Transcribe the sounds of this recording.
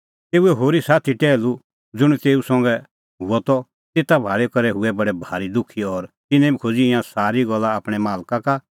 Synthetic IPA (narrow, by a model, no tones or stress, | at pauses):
t̪eːuɛɦoːɾisaːt̪ʰiʈɛːlu | d͡zʊɽ̃it̪eːusɔ̃ŋɡɛ | ɦʊɔt̪ɔ | t̪eːt̪abʱaːɭɛkɐɾɛɦʊɛbɐɽɛbʱaːɾid̪ʊkʰːiɔɾt̪ɪnɛ̃bikʰod͡ziɪjãsaːɾiɡɐlːaːpɽ̃ɛmaːlkaka